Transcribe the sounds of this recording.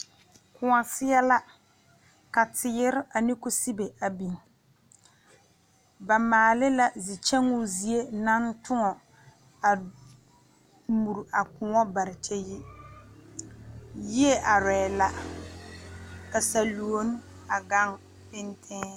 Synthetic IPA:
kʊ˨ŋa˨sɪ˦ɛ˦la˦ | ka˨tɪ˨˦ɪ˦ɾɪ˦a˨nɪ˦kʊ˦si˦be˨a˨bi˨ŋ˨ | ba˨maː˨lɪ˦la˦zi˨t͡ʃɛ˦ŋʊ˦zi˨˦e˦na˦n˦tʊ˦ŋɔ˨ | a˨ | mu˨ɾa˨kʊ˨ŋɔ˦ba˨ɾɪ˨t͡ʃɛ˦ji˦ | ji˦e˦ʔa˨ɾɛː˨la˦ | ka˨sa˨lu˨o˦n˦ | a˨ɡa˦ŋ | pɪ˦ntʰɛ̃ː˦

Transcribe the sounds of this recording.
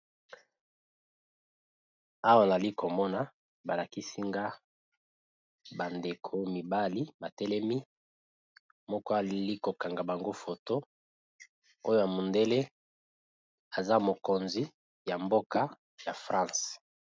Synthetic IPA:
a˦wa˦˨na˨li˦ko˨mɔ˦na˦ | ba˨la˨ki˦si˦ŋɡa˦ | ba˨nde˨kʰo˨mi˨ba˦li˦ba˨tɛ˦lɛ˦mi˦ | mɔ˦kɔ˦a˨li˦ko˨ka˨ŋɡa˨ba˨ŋɡo˦fo˨to˦ | o˦jo˦ja˨mu˨nde˦le˦ | a˨za˦mo˨ko˨nzi˨ | ja˨mbo˦ka˦ | ja˨fʁã˦s

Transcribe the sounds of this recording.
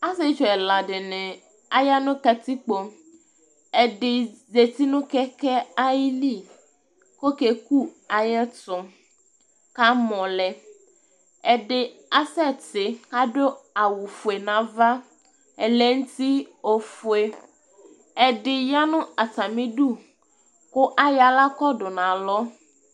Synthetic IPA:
a˦se˦t͡ʃɔ˨ɛ˨la˨ɖe˨nɛ̃˨ | a˨ja˦nʊ̃˦ka˨t̪i˦k͡po˨ | ɛ˨ɖɪ˨ze˨t̪i˦nũ˦kɛ˦kɛ˦a˦ji˦li˦˨ | ko˦ke˨ku˦a˨jɛ˦tɔ˨ | ka˦mɔ̃˨lɛ˨ | ɛ˨ɖɪ˨a˦sɛ˦tɪ˨ka˦ɖo˦a˨wu˨fu˨e˨nã˨va˦ | ɛ˨lɛ˨ŋ̩˦ti˦o˨fʊ˨e˨ | ɛ˨dɪ˨ja˦nʊ̃˦a˨ta˨mɪ̃˦ɖu˦ | kʊ˦ʔa˦ja˨la˦kɔ˦dʊ˨nã˨lɔ˦

